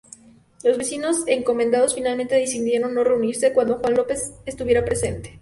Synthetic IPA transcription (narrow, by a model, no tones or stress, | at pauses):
lo̞zβe̞sino̞seŋko̞mend̪að̞osfinalmẽnt̪eðis̬t̪ind̪enonːo̞re̞uniɾse̞kwand̪oxwanlo̞pe̞sest̪uβje̞ɾapɾe̞se̞nt̪e̥